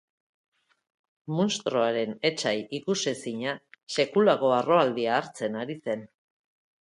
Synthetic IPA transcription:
monst̪ɾo̞aɾe̞ne̞t͡ʃajikusesiɲase̞kulaɣo̞aro̞ald̪iaːɾt͡se̞naɾise̞n

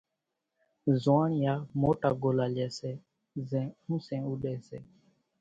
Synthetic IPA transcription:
zaːɳjaːmoːʈaːɡoːlaːljeːseː | zɛ̃ːũːsẽːuːɗeːseː

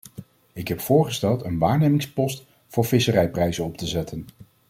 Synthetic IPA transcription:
ɪkɦɛpfʊːɹχəstɛlˠtənʋaːɹnejmɪŋspɔst | fʊːɹvɪsərɛjprɛjzənɔptəzɛtʰən

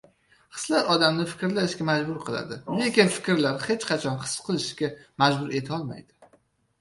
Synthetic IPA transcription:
χɨ̥slaɾɒd̪amnɪfɪ̥kʲɾlaɪʃɡʲamad͡ʒbʊɾqʰɨlˠa̰d̪ɪle̞kʲɪnfɪ̥kʲɪɾlaɾχe̞t͡ʃqʰɑt͡ʃʰɒnχɨ̥sqʰɨlˠɪʃkʲamad͡ʒbʊɾe̞t̪ʰɒlˠma̰jd̪̥ɪ

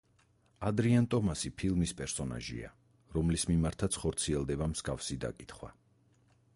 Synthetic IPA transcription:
ad̪ɾiant̪ʼɔmasipʰilˠmispʼɛɾsɔna̰ʒḭa̰ | ɾɔmlismimaɾt̪ʰat̪sʰχɔɾt̪sʰiɛlˠd̪ɛbamz̥ɡafsid̪a̰kʼit̪ʰχwa̰

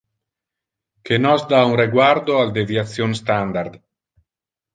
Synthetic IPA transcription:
kenɔzd̪aunreɡwaɾd̪oald̪evjat̪sjonst̪and̪aɾd̪

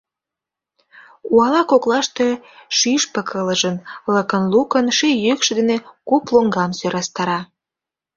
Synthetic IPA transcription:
uɑlɑkoklɑʃt̪eʃyʃpə̆kʰələʒə̆nləkənlukənʃejøkʃed̪enekoploŋɡɑmsøɾɑst̪ɑɾɑ

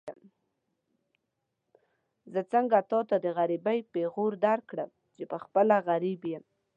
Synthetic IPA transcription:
m | zət͡səŋɡat̪ɑt̪ad̪əɣaɾibajpeɣoɾd̪aɾkɽəm | t͡ʃepəxpəlaɣaɾibjem

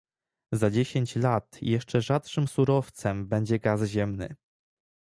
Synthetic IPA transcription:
zad͡ʑeɕeɲt͡ɕlat̪jɛʂt͡ʂɛʐatʂɘmsuɾɔft̪sɛmbɛɲd͡ʑɛɡazʑɛmnɘ̰

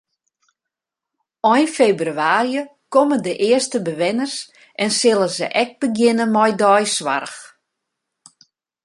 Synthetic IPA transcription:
ɔjnfebryaːɾjə | koməndəʔɪərstəbəʋɪnərs | ʔɛnsɪlˠəzə̰ʔɛk̚b̥əɡjɪnəmɔjdɔjsʋa̰rx

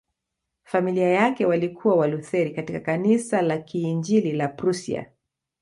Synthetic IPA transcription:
familiajakɛwalikʰuwawaluθɛɾikatikakanisalakiːnd͡ʒililapɾusḭa̰

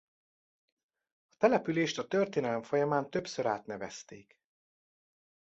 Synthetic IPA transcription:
ɒt̪ɛlɛpyleːʃt̪ɒt̪ø̞rt̪eːnɛlɛɱfo̞jɒmaːnt̪ø̞psøɾa̰ːt̪nɛvɛst̪eːk

